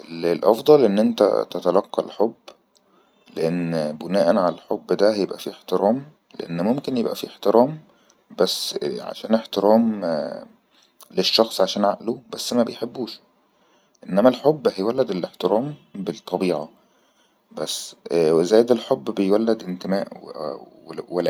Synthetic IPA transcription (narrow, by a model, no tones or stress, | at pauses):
ʔelelʔɑ̰fd̪ˤɑlʔenːʔent̪æ̰t̪et̪ælɑqːɑ̰lħobː | leʔenːbonæːʔænʕalælħobːd̪æhjebʔæ̰fiːeħt̪eɾɑːm | lḛʔenːmomkenjebʔæ̰fieħt̪eɾʔæːm | bæsːʕa̰ʃæːneħt̪eɾɑːm | leʃːɑxsˤʕaʃæːnʕaʔlubæsːmæbejħebːuːʃ | ʔenːæmælħobːhæjwælːed̪eleħt̪eɾɑːmbelt̪ˤːɑbiːʕɑ | bæsːwezæːjed̪elħobːbejwælːed̪ent̪emæːʔw | wel